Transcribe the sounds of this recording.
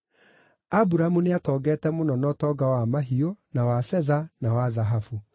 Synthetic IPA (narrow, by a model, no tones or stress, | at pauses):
abuɾamuneatɔːɡɛːtɛmonɔnɔtɔɡawamaɦionawasɛðanawaðaɦafu